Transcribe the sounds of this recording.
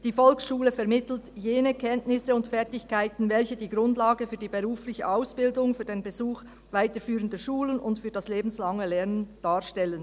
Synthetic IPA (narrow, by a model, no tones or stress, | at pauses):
d̥iːfɔlksʃuːləfɛʁmɪtl̩tjeːnəkʰɛntnɪsəʊntfɛʁtɪçkaɪtn̩vɛlçədiːɡʁʊndlaːɡəfyːɐdiːbəʁuːflɪçəʔaʊsb̥ɪldʊŋfyːɐdeːnbəzuːx | vaɪtəfyːʁəndəʃuːlənʊntfyːɐdɑsleːbn̩slɑŋəlɛʁnənd̥aːʁʃtɛlən